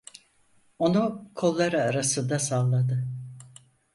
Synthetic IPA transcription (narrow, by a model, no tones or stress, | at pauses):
o̞nukʰo̞lˠːaɾɯaɾasɯnd̪asalˠːad̪ɯ